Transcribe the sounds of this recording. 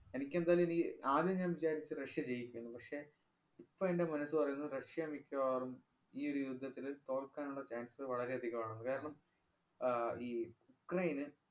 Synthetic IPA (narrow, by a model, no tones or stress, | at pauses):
e̞nikʲːe̞nd̪aːjlumenikʲːɨʔaːðeɲaːnʋid͡ʑaːɾit͡ɕːɨrɐʂjɐt͡ɕe̞jːikʲːuunːupɐkʂe̞ː | ipːo̞ːende̞mɐnɐsːɨpɐrɐjunːɐðɨrɐʂjɐmikʲːɐʋaːrum | iːo̞ɾujud̪ʱːɐt̪ːilt̪o̞ːrkːaːnuɭːɐt͡ɕaːnsʋɐɭɐɾe̞ɐd̪ʱiɣɐmaːɳunːukaːɾɐɳɐm | iːukrɐjinɨ